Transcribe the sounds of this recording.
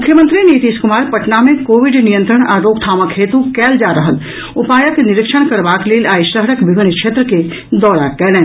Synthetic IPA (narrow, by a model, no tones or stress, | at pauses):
mʊkʰːjəmə̃nt̪ɾiniːt̪iːskʊmaːɾpɐʈnamẽkoːʋɪɖnijə̃nt̪ɾəɽ̃aːɾoːɡt̪ʰaːməkʰːeːt̪ukɛːld͡ʒaːɾɐɦəl | ʊpaːjəknɪɾɪkʃəɽ̃kɐɾbaːkleːlaːjʃɾəɦɾəkbɪʋɪnːkʃʰeːt̪ɾəke | d̪ɔːɾakɛlẽː